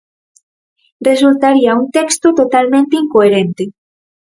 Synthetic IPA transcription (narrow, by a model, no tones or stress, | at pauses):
result̪aɾiaunt̪ekst̪ot̪ot̪almẽnt̪eiŋkoeɾent̪e